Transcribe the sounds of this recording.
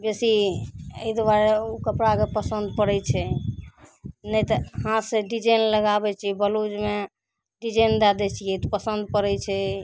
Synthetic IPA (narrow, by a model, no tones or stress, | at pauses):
besiəjd̪ʋaɾeukəpɽakepəsənd̪̚pəɾɛt͡ʃʰɛ | nəjt̪əɦãseɖid͡ʒənləɡabɛt͡ʃʰibəlud͡ʒme | ɖid͡ʒənd̪ad̪ɛt͡ʃʰiet̪pəsənd̪̚pəɾɛt͡ʃʰɛ